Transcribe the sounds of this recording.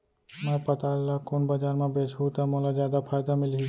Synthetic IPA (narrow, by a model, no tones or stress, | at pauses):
mɛ̃ːpɐt̪aːlakoːnbɐd͡ʒaːɾmãbeːt͡ʃɦut̪amoːlazjaːd̪apʰaːjd̪amɪlɦi